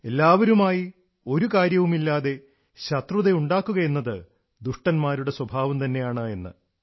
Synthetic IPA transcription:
e̞lːaːʋɐɾumaːji | o̞ɾukaːɾjɐʋumilːaːðe̞ | ɕɐt̪ruðeuɳɖaːkːuɣɐjenːɐðɨ | d̪uʂʈɐnmaːɾuɽe̞swɐbʱaːʋɐmt̪ɐnːe̞jaːɳɨe̞nːɨ̰

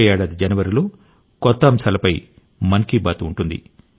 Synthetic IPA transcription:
ɛjaːɽɐd̪id͡ʒɐnɐʋɐɾilo̞ː | kɔt̪ːɐːmsaːlɐpɐj | mɐnkiːbaːt̪uːɳʈund̪ḭ

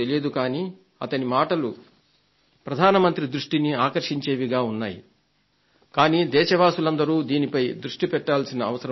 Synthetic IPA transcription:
elied̪ukaːniː | ɐt̪ɐnimaːʈɐlu | pɾɐd̪ʱaːnɐmɐnt̪ɾid̪ɾuʂʈiniaːkɐɾʂiɲt͡ʃe̞ːʋiɡaːunːaːjḭ | kaːniːd̪ɛːʃɐʋaːsulɐnd̪ɐɾuːd̪iːnipɐjd̪ɾuʂʈipɛʈːaːlsinɐːʋɐsɐɾɐ

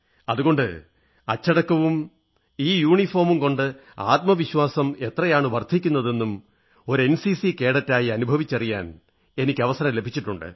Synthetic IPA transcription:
ɐðuɣo̞ɳɖɨ̰ | ɐt͡ɕːɐɽɐkːɐʋum | iːjuːɳifo̞ːrmumko̞ɳɖɨ | a̰ːt̪̚mɐʋiɕwaːsɐme̞t̪rɐjaːɳɨʋɐrd̪ʱikʲːunːɐðe̞nːum | o̞ɾe̞nsisike̞ːɽɐtːaːjiɐnubʱɐʋit͡ɕːɐrija̰ːn | e̞nikʲːɐʋɐsɐɾɐmle̞bʱit͡ɕːiʈːuɳɖɨ̰

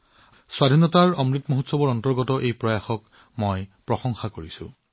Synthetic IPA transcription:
swadʱinɔtaɹɔmɹitmoɦotsɔbɔɹɔntɔɹɡɔtɔʔejpɹɔjaxɔk | mojpɹɔxɔŋxakoɹisʊ̰̃

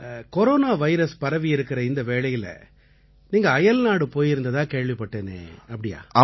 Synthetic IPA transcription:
kɔɾoːnaːʋɐɪɾɐspɐɾɐʋɪɪɾɯkːɪɾɐɪnd̪ɐʋeːɭɐjɪlɐ̰ | niːŋɡɐːjɐlnaːɽɯpoːjɪɾɯnd̪ɐðãːkeːɻʋɪpːɐʈːeːnḛːɐpːɐɽɪja̰ːɐ

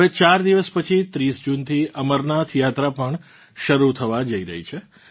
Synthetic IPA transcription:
et͡ʃaɾd̪iʋəspət͡ʃʰit̪ɾisd͡ʒunt̪ʰiʔəməɾnat̪ʰjat̪ɾapəɳ | ʃəɾut̪ʰəʋad͡ʒəiɾə̰ɦit͡ʃʰe

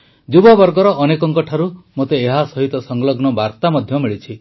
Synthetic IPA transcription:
d͡ʒubɔbɔɾɡɔɾɔʔːnekɔŋkɔʈʰaɾumot̪eːɦasɔɦit̪ɔsɔŋɡlɔɡnɔbaɾt̪amɔd̪ʱjɔmiɭit͡ʃʰi

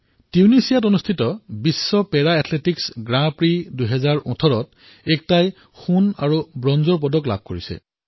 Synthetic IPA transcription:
tiunisijatonustʰitɔbisːɔpɛɹaɛtʰletiksɡɹãpɹidujɦɛzaɹɔ̃tʰɔɹɔt | ɛk̚taj | xuna̰ɹubɹɔnzɔɹp̬ɔdɔkla̰b̚ʱkoɹisɛ̰

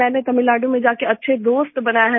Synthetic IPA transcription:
ɛ̃ːnet̪ɐmɪlːaːɖõmẽd͡ʒaːkeɐtːʃʰed̪oːst̪bɐnaːjaɦɛ

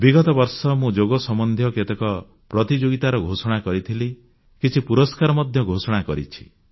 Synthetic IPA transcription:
biɡɔt̪ɔbɔɾsɔmũd͡ʒoɡɔsɔmɔnd̪ʱjɔket̪ekɔ | pɾɔt̪id͡ʒoɡit̪aɾɔɡʱosɔɽ̃akɔɾit̪ʰili | kit͡ʃʰipuɾɔskaɾɔmɔd̪ʱjɔɡʱosɔɽ̃akɔɾḭt͡ʃʰi̥

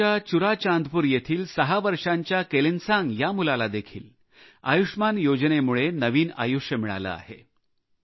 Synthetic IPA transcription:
at͡ɕuɾat͡ɕand̪puːɾjet̪ʰiːlsəɦaʋəɾʂaɲt͡ɕjakelinsãŋɡjamulalad̪ekʰḭːl | a̰juʂmanjod͡ʑnemuɭenəʋiːna̰juʂjəmiɭa̰lə̰a̰hḛ

